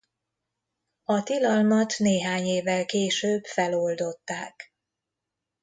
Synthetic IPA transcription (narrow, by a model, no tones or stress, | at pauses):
ɒt̪ilɒlmɒt̪neːɦaːɲeːvːɛlkeːʃøːbfɛlo̞ld̪o̞t̪ːaːk